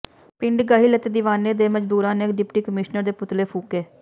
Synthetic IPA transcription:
pɪɳɖɡaːɦiːlət̪ed̪ɪʋaːneːd̪eːməd͡ʒd̪uːɾãːneːkɖɪpʈiːkəmɪʃnəɾd̪eːpʊt̪leːpʰuːkeː

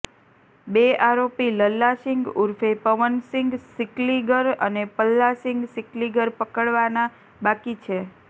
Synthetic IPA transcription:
beaɾopiləlːaʃɪŋɡuɾfepəʋənsɪ̃ŋɡsɪkliɡəɾənepəlːasɪŋɡsɪkliɡəɾpəkəɽʋana | bakit͡ʃʰe

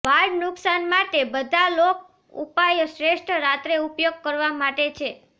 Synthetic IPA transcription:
ʋaɾɖnʊksanmaʈebəd̪ʱalok̚ | ṵpajʃɾeʃʈʰəɾat̪ɾeupjoɡ̚kəɾʋamaʈet͡ʃʰe

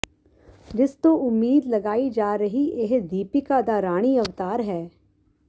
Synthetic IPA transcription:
d͡ʒɪst̪oʊmːiːd̪lɐɡaːid͡ʒaːɾɐɦieɦd̪iːpikad̪aɾaːɽ̃iɐʋt̪aːɾɦɛː

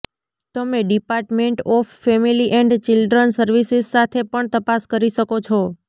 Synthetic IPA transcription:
t̪əmeɖipaɾʈmeɳʈɔfːɛmiliʔɛɳɖt͡ʃɪlɖɾənsəɾʋisizsat̪ʰepəɳt̪əpaskəɾiʃəkot͡ʃʰɔ

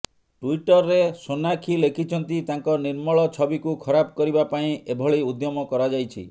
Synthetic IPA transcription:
ʈuiʈɔɾːesonakʰilekʰit͡ʃʰɔnt̪it̪aŋkɔniɾmɔɭɔt͡ʃʰɔbikukʰɔɾabɔkɔɾibapaĩebʱɔɭiud̪jɔmɔkɔɾad͡ʒajt͡ʃʰḭ

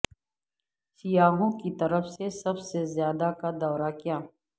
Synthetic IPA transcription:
sijaːɦõkit̪ɐɾəfsesɐbsezjaːd̪akad̪ɔːɾakijaː

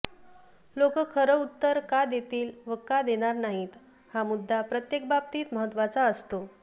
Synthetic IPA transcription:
lokəkʰəɾəut̪ːəɾkad̪jet̪iːlʋəkad̪eɽ̃aɾnaɦiːt̪ | hamud̪ʱːapɾət̪jek̚bab̚t̪iːt̪məɦət̪ːʋat͡saəst̪o

